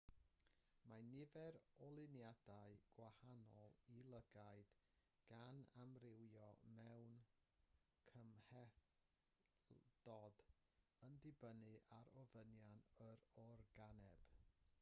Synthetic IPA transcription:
manɪvɛɾɔlˠɪnjadaɨɡ̥wahanɔlˠilˠəɡaɨd̥ | ɡ̥anamrɪwjɔmɛwn | kʰəmhɛθ | dɔd | əndɪbənɨʔaɾɔvənjanəɾɔrɡanɛb̥

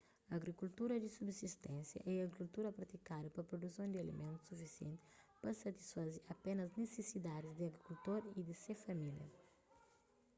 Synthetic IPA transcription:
ɐɡɾikult̪uɾɐd̪isubsist̪ɛ̃nsjɐ̰ʔɛɐɡɾikult̪uɾɐpɾɐt̪ikad̪ɐpɐpɾod̪usɐ̃w̃d̪iɐlḭmʔẽnt̪u̥sufisiḛ̃nt̪ipɐsɐt̪i̥sfaziɐpenɐznesesid̪ad̪izd̪iɐɡɾikult̪oɾid̪isefɐmiljɐ̰

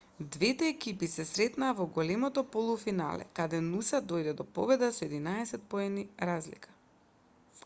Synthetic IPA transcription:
d̪vɛt̪ɛːkipisɛsɾɛt̪naːvɔɡɔlɛmɔt̪ɔpolˠufina̰lɛ̰kad̪ɛnusad̪ojd̪ɛd̪ɔpɔ̰bɛd̪asɔɛd̪inaɛsɛt̪̚poɛniɾazlḭkʰḁ

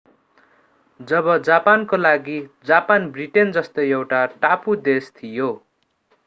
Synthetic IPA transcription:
d͡zʌbʌd͡zapankolaɡid͡zapanbriʈend͡zʌst̪ʌjewʈaʈapud̪est̪ʰijo

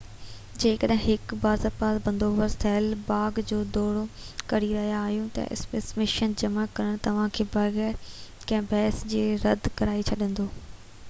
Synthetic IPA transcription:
d͡ʑeːkəɗɦɪ̃ɦɪkbaːzəɾpaːt̪bɐ̃nd̪oːʋəɾt̪ʰɐɦɪlbaːɡd͡ʑoːd̪oːɽokɐɾiɾɐɦijaːɦijũt̪ɐ̰ʔɪ̰speːsmɪʃənd͡ʑɐmakɐɾəɽ̃t̪ɐʋ̤ãkʰeːbɐɣɛːɾ | kɐ̃ɦɪ̃bʱɛːsd͡ʑeːɾɐd̪ʱkɐɾaːit͡ɕʰɐɗə̃nd̪oː

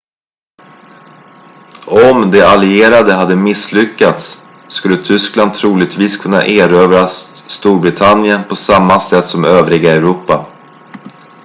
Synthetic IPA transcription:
ɔmd̪ɛalɪeːɾad̪əɦad̪ːəmɪslʏkːat̪sː | kɵlːət̪ʰʏskland̪t̪ʰɾuːlɪɡt̪viːskʰɵnːa̰ʔeːɾøːvɾasst̪uːɾbɾɪt̪ʰanjənpʰɔsamːasɛt̪ːsɔmøːvɾɪɡaɛɾuːpa

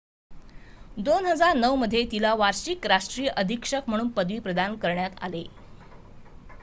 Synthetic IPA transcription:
d̪onɦəd͡zaɾnəʋməd̪ʱːjet̪ilaʋaɾɕiːkɾaʂʈɾijəʔəd̪ʱikʂəkm̤əɽ̃uːnpəd̪ʋiːpɾəd̪ankəɾɳjat̪a̰le

